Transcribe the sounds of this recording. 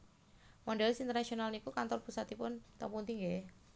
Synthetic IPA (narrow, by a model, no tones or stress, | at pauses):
mɔnɖɛlɛsint̪rnasionalnikukant̪ɔrpusat̪ipʊnt̪ə̰punt̪iŋɡɛ